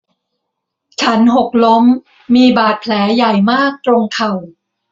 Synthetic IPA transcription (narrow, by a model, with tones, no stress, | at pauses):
t͡ɕʰa˦˥nɦo˨˩k̚lo˦˥mː | iː˧baː˨˩t̪̚pʰlɛː˩˦ja˨˩jmaː˥˩k̚t̪ɾo˧ŋkʰa˨˩w